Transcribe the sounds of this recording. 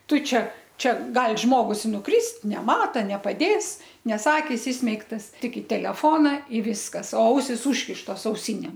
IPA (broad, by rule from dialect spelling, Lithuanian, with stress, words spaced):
ˈtʊ ˈt͡ʃʲɛ ˈt͡ʃʲɛ ˈɡɐlˠ ˈʒmoːɡʊs ɪ nʊˈkrʲɪst nʲɛˈmɑːtɐ nʲɛpɐˈdʲeːs ˈnʲɛs ˈɑːkʲɪs ˈɪsʲmʲɛɪktɐs ˈtʲɪk ɪ tʲɛlʲɛˈfoːnɐ ɪ ˈʋʲɪskɐs oː ˈɐʊsʲɪs ˈuːʃʲkʲɪʃtoːs ɐʊˈsʲɪnʲeːm